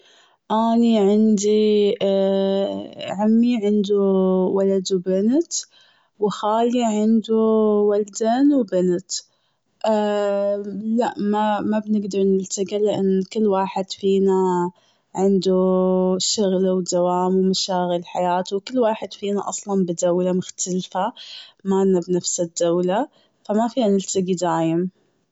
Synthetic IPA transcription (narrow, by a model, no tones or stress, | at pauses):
ʔaːniʕɪnd̪i | ʕamːiʕɪnd̪uwalad̪wbɪnt̪ | wɪxaːliʕɪnd̪uwald̪aːnwbɪnt̪ | ʔ | laʔmamabnɪɡd̪ɑɾˤnɪlt̪aɡilɪʔanːkɪlːwaːħɪd̪̥fiːna | ʕɪnd̪uʃʊɣlwd̪awaːmwmaʃaːɣɪlħajaːt̪uwkɪlːwaːħɪd̪̥fiːnaʔɑsˤlɑnbɪd̪awlamʊxt̪alfamanːabnafsɪd̪ːawla | famafiːnanɪlt̪aɡid̪aːjɪm